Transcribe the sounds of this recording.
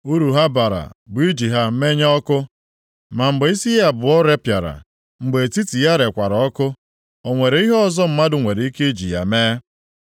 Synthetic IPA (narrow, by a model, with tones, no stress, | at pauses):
u˦ɾu˨ɦa˦ba˨ɾa̰˨bʊ˨˦i˦d͡ʒi˨ɦa˨m̩˦me˦ɲa˦ɔ˦kʊ˦ | ma˨m̩˨ɡ͡be˨˦i˦si˦ja˨bʊ˨ɔ˦ɾe˦pja˨ɾa̰˨ | ŋ͡m̩˨ɡ͡be˨ti˦ti˨ja˦ɾe˨kʷa˨ɾɔ˨ɔ˦kʊ˦ | o˨ŋʷe˨ɾe˦i˦ɦɔ˦zɔ˦m̩˦ma˦dʊ˨ŋʷe˨ɾe˨i˦ke˦d͡ʒḭ˨ja̰˨meː˦